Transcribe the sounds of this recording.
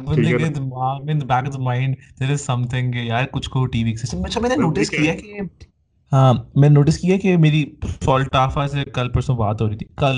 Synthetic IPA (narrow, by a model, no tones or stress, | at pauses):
bɐleɡd̪mamɪ̃nd̪bɛːkd̪əmãːɪ̃ɳɖ | d̪eːɾɪzsɐ̃mt̪ʰɪ̃ŋjaːɾkʊt͡ʃʰkoʈiːʋiːksɪsʈɐ̃mɐt͡ʃʰamɛ̃ːnenoːʈɪskijaki | mɛ̃ːnenoːʈɪskiaɦkimeːɾifɔːlʈaːfasekɐlpɐɾsənbaːt̪ɦoːɾiːt̪ʰi̥kɐl